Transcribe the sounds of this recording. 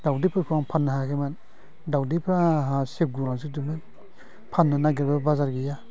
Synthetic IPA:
dawdipʰɾakʰuaŋpʰanːaɦakʰeman | dawdipʰɾaɦasep̚ɡuɾaŋsidiman | pʰanːanaɡeɾbabazaɾɡija

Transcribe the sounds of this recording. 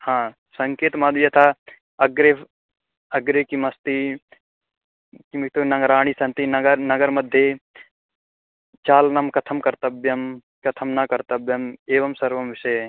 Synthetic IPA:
hãː | sɐŋkeːt̪mɐd̪jɐt̪ʰa | ɐɡɾe | ɐɡɾekimɐst̪i | kimikt̪onɐɡɐɾaːɳ̃isɐnt̪inɐɡɐɾnɐɡɐɾmɐd̪ʱːje | t͡ʃaːlnɐmkɐt̪ʰɐmkɐɾt̪ɐbjɐm | kɐt̪ʰɐmnɐkɐɾt̪ɐbjɐmeːʋɐmsɐɾʋɐmʋɪseː

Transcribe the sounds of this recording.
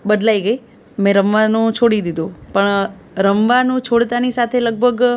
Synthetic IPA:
bəd̪laiɡəi | mẽɾəmʋanũt͡ʃʰoɽid̪id̪ũpəɳ | ɾəmʋanũt͡ʃʰoɽt̪anisat̪ʰeləɡ̚bʱəɡ

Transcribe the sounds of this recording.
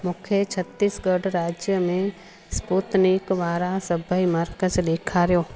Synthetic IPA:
mʊkʰjət͡ʃʰət̪ːiːsɡəɖɾaːd͡ʒjəmẽ | spuːt̪nɪkʋaːɾasəbʱəiməɾkəzleːkʰaɾjoː

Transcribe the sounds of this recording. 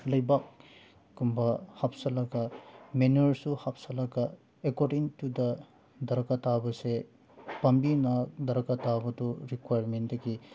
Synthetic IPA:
lɐjbak̚ː | umbɐhapsɐlɐɡɐmenuɐɾsuhapsɐlaɡɐ | ekɔɾɖiŋtudɐ | dɐɾɐkatabɐse | pɐmbinɐdɐɾɐkatabɐtuɾikwajɾmendɐɡi

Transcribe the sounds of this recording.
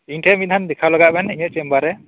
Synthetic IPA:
iŋʈʰɛmit̪̚ˀhand̪ɛkʰawlaɡaʔbɛniɲɔʔ̚t͡ʃɛmbaɾɛ

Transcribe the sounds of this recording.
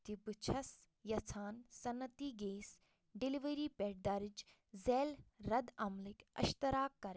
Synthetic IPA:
t̪ibut͡ʃʰɐs | jɐt͡sʰaːnsɐnːɐt̪iːɡeːs | ɖiliʋəɾiːpeːʈ̚d̪aɾid͡ʒ | zeːlɾɐd̪ɐmlikɐ̰ʃt̪ɐɾaːkːɐɾ

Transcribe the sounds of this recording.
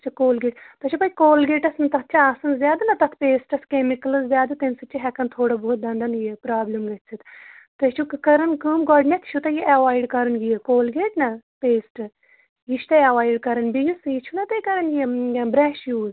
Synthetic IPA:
t͡ʃʰɐkoːlɡeːʈt̪ɐt͡ʃʰupɐjkoːlɡeːʈɐsnɐt̪ɐt̪̚ʰt͡ʃʰɐaːsɐnzjaːd̪ɐnɐt̪ɐt̪ʰpeːsʈɐskemikɐlɨzzjaːd̪ɨt̪ensɐt͡ʃʰːiɦɛkɐnt̪ʰoːɽɐboːt̪̚d̪ɐ̃nd̪ɐnɡijɐpɾaːblɐmɡɐt̪sʰɨt̪ʰt̪ɐt͡ʃʰukɨkɐɾɐnkɨːmɡɔɖnʲɐt̪ʰt͡ʃʰut̪ɐjiʔɐʋaːjɖkɐɾɐnɡiɐkoːlɡeːʈnɐpeːsʈɨ | jiʃʰt̪ɐɐʋaːjiɖkɐɾɐnbiɡusit͡ʃʰunɐt̪ɐkɐɾɐnɡiebɾɛːʃjuːz

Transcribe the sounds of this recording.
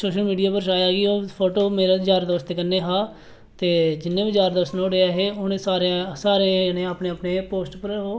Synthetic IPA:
soːʃəlmiːɖijaːpəɾʃaːjaːɡioːpʰoːʈoːmeːɾad͡ʒaːɾd̪əʋəst̪eːkənːeːɦaː | t̪eːd͡ʒɪnːẽːbid͡ʒaːɾd̪əʋəst̪nõːɽeːaːɦeːoːneːsaːɾsaːɾẽnẽːaːpneːaːpneːpoːsʈpəɾoː

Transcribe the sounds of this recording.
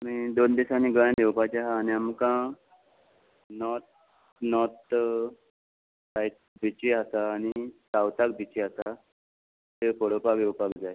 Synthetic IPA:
mid̪ond̪isaniɡəjãd̪ewpat͡ɕaɦaːniamkã | nɔt̪̚ | nɔt̪ | sajʈ̚ | bit͡ɕiat̪aːnisawt̪ak̚bʱit͡ɕiat̪a | t̪epəɽopaʋewpakd͡zae

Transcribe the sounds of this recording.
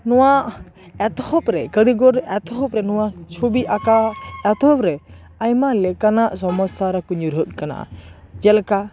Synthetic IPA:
nɔwaʔ | ɛt̪hɔp̚ɾɛkəɽiɡɔɾɛt̪hɔpɾɛnɔwat͡ʃʰobiʔakaɛt̪ɔpɾɛ | ajmalɛkanaʔsɔmɔsaɾakɔɲuɾɦət̪̚ˀkana̰ʔa̰d͡ʒɛlka

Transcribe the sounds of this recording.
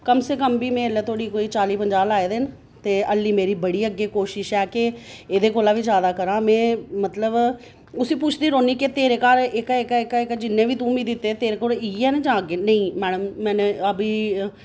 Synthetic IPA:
kəmseːk̬əmbiːmɛ̃ːəlːɛːt̪ʰoːɽiːkoːiːt͡ʃaːliːpəɲd͡ʒaːlaːeːd̪eːn | t̪eːəlːiːmeːɾiːbəɽiːəɡːeːkoːʃɪʃɛːkɪeːd̪eːkoːlãːʋiːd͡ʒjaːd̪aːkəɾãːmɛ̃ːmət̪ləb | ʊsĩːpʊt͡ʃʰd̪iːɾoːniːket̪eːɾeːkaːɾɪkɛɪkɛkːɪkd͡ʒɪnːẽːʋiːt̪ũːmiːd̪ɪt̪ːeːt̪eːɾeːkoːliːɛːned͡ʒãːəɡeːnəĩːmɛːɽəmːɛ̃ːnəbiː

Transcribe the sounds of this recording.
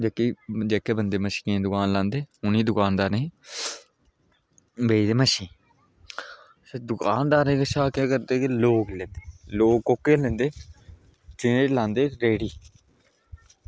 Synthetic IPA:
d͡ʒeːkiːd͡ʒɛːkeːbənd̪eːməʃi̥ːkẽd̪ʊkaːnlãːnd̪eːʊnĩːd̪ʊkaːnd̪aːnẽ | beːid̪eːməʃĩː | seːd̪ʊkaːnd̪aːɾẽːkəʃaːkeːkəɾd̪eːkeloːklɛ̃ːnd̪eːloːkkoːkːeːlɛ̃ːnd̪eː | t͡ʃɪneːlãːnd̪eːɾeːɽiː

